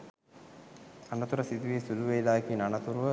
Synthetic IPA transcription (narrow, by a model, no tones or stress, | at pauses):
anɐt̪uɾɐsid̪iʋiːsuluʋejlaːekinanɐt̪uɾuʋə